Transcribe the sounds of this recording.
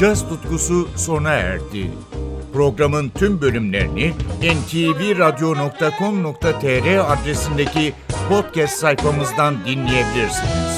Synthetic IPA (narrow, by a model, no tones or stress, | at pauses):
d͡ʒast̪ʰut̪kususo̞naæ̰ɾt̪ʰḭ | pɾo̞ɡɾamɯnt̪ʰymbø̞lʲymlʲe̞̰ɾiniɛnt̪ʰiviɾad̪jo̞no̞k̚t̪ʰakʰo̞mno̞k̚t̪ʰat̪ʰeɾɛad̪ɾe̞sind̪e̞cipʰo̞t̪̚cɛst̪sajfamɯzd̪and̪inlʲije̞bilʲiɾsiniz̥